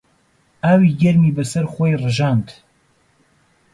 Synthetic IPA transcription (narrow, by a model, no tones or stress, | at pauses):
ʔaːwiːɡɐɾmiːbɐsɐɾxoːjrɨʒaːnt̪